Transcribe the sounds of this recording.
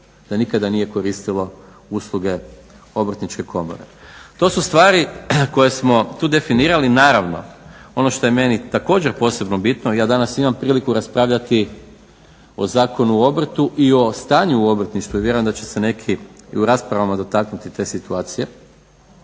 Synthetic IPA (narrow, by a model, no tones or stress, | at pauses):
d̪̥anikad̪anije̞ko̞ɾist̪ilˠo̞ | uslˠuɡe̞ | o̞br̩t̪nit͡ʃke̞kʰo̞mo̞̰ɾḛt̪o̞sust̪ʋaːɾiko̞je̞smo̞t̪uːd̪e̞finiːɾalinaːɾaʋno̞̰o̞no̞ʃt̪o̞jeme̞nit̪ako̞ːd͡ʑe̞ɾpo̞ːse̞bno̞bit̪nojaːd̪anasimampɾiːlikuɾaspɾaːʋʎat̪i | o̞̰zaːko̞nuo̞br̩t̪uʔio̞st̪aːɲuuo̞br̩t̪niʃt̪ʋuiʋje̞ɾojemd̪at͡ɕe̞se̞ne̞kʰiḭuɾaːspɾaʋamad̪o̞t̪aknut̪it̪e̞ːsit̪uaːt̪sije̞